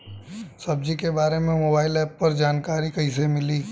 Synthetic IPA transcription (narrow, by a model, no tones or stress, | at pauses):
sɐb̚d͡ʒikebaːɾemẽmoːbaːɪlɛːpːɐɾd͡ʒaːnkaːɾikɐɦĩsemɪliː